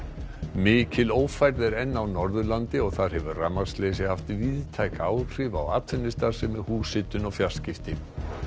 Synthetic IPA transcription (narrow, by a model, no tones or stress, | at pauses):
mɪːcɪloːwfajɾðɪɾɛnːawnɔɾðʏlant̪ɪɔɣθaɾ̥hɛvʏramḁst̪leːsɪhaft̪viːðt̪ʰajkaːwr̥iva̰waːt̪ʰɪnːɪst̪asɛmɪhuːsɪt̪ʏnɔɣfjaɾ̥scɪft̪ɪm